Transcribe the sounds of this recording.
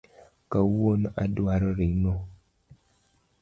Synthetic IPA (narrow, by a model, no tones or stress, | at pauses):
kawonadwaɾɔɾino